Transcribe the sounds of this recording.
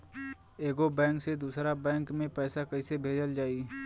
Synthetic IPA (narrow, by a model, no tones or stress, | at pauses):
eːɡobɛ̃ːŋksed̪uːsɾabɛ̃ːŋkmẽpɛːsakɐisebʱeːd͡ʒəld͡ʒaːi